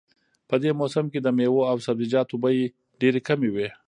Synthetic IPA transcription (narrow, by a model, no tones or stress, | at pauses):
pəd̪emosamked̪əmewoawsabzid͡ʒɑt̪obaji | ɖeɾekamewe